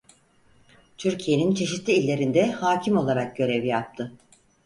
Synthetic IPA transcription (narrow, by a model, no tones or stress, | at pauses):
t̪ʰyɾcʰije̞nint͡ʃʰe̞ʃit̪lʲiːlʲːe̞ɾind̪ɛhaːcʰimo̞lˠaɾak̚ɟ̥ø̞ɾɛvjap̚t̪ʰɯ